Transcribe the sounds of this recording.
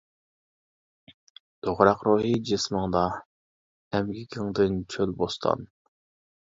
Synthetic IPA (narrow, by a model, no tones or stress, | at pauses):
d̪̥oʁɾɑqɾuːɦid͡ʒesməŋd̪ɑ | ɛmɡʲikʲʰɪŋd̪ɨnt͡ʃʰølbost̪ʰɑ̰n